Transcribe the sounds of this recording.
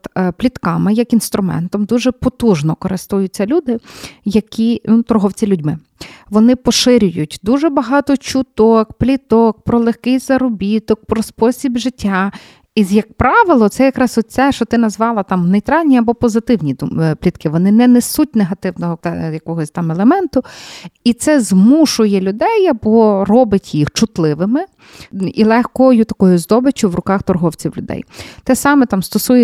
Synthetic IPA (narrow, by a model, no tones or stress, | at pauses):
t̪plʲit̪kɑmɪjɐkinst̪ɾʊmɛ̰nt̪ɔmd̪uʒɛpɔt̪uʒnɔkɔɾɪst̪ujʊt͡sʲːɐlʲud̪ɪjɐkʲinut̪ɔɾɦɔwt͡sʲilʲudʲmɪ | ʋɔnɪpɔʃɪɾʲʊjʊtʲd̪uʒɛbɐɦɑt̪ɔt͡ʃʊt̪ɔkplʲit̪ɔk̚pɾɔlˠexkɪjz̥ɐɾɔbʲit̪ɔk̚pɾɔspɔsʲibʒɪtʲʰːa | ijɐk̚pɾɑʋɪlˠɔt̪sɛjɐkɾɑsɔt̪̚ʲt͡ssɛʃɔt̪ɪnɐzʋɑlˠɐt̪ɑmnejt̪ɾɑlʲnʲiɐbɔpɔzɪt̪ɪwnʲiplʲit̪kɪʋɔnɪnɛnɛsut̚ʲneɦɐt̪ɪwnɔɦɔt̪jɐkɔɦɔsʲt̪ɑmɛlˠemɛnt̪ʊit̪sɛzmuʃʊjɛlʲʊd̪ɛjɐbɔrɔbɪtʲjixt͡ʃʊt̪lˠɪʋɪmɪ | ilˠɛxkɔjʊt̪ɐkɔjʊzd̪ɔbɪt͡ʃʲʊʋrʊkɑxt̪ɔrɦɔwt͡sʲiwlʲʊd̪ɛ̰jt̪ɛsɑmɛt̪ɑmst̪ɔsujɛ